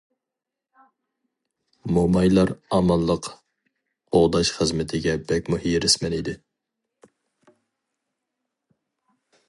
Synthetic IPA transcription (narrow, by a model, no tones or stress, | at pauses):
momɑjlˠɑɾɑmɑnlˠlːˠəq | oʁd̪ɑʃχəzmɪt̪ʰɪɡʲɛbɛkʲmuhijɾɪsmɛnid̪ɪ